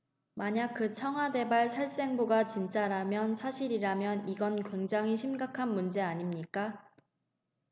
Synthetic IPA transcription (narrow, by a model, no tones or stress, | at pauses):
maɲak̚kɯt͡ɕʰʌŋɦwade̞baɭsʰaɭs͈e̞ŋbuɡat͡ɕint͡ɕ͈aɾamjʌnsʰaɕʰiɾiɾamjʌniɡʌnkwe̞ŋd͡ʑaŋɦiɕʰimɡakʰanmund͡ʑe̞aɲimɲik͈a